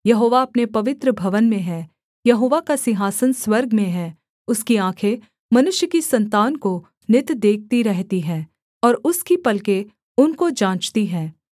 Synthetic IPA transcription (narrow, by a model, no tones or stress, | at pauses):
jɐɦoːʋaɐpnepɐʋɪt̪ɾəbʱɐʋənmẽɦɛː | jɐɦoːʋakasɪɦaːsənswɐɾɡmẽɦɛː | ʊskiãːkʰe | mɐnʊʃjəkisɐ̃nt̪aːnko | nɪt̪d̪eːk̚ʰt̪iɾɛɦt̪iɦɛ̃ː | ɔːɾʊskipɐlke | ʊnkod͡ʒãːt͡ʃt̪iɦɛː